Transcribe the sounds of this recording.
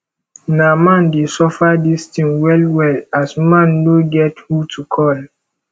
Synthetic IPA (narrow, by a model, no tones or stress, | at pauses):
namãndesɔfadistĩŋwɛlwɛlasmãnːoɡɛthutʰukʰɔl